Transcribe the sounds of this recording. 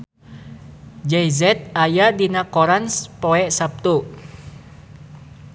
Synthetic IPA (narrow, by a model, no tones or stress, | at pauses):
d͡ʒɛjzɛt̪̚ajadinakɔɾanspoɛʔsap̚t̪u